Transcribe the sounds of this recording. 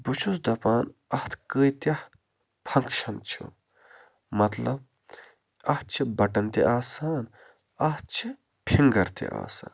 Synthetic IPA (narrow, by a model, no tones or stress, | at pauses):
but͡ʃʰusd̪ɐpaːnɐht̪ʰkɨːjt̪ʲɐh | pʰɐŋkʃɐnt͡ʃʰṵ | mɐt̪lɐb̚ | ɐht͡ʃʰibɐʈɐnt̪ḭʔaːsaːn | ɐh̪t͡ʃʰi | pʰiŋɡɐɾt̪ḭʔa̰ːsa̰ːnn